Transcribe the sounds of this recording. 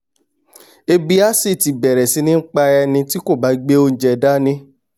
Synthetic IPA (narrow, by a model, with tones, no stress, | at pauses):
e˧bi˧a˦si˦˨ti˨bɛ˨ɾɛ˨sĩ˨˦nĩ˦n̩˦k͡pa˧ɛ˧nĩ˧ti˦ko˦˨ba˨˦ɡ͡be˦o˧n̩˨d͡ʒɛ˨da˦nĩ˦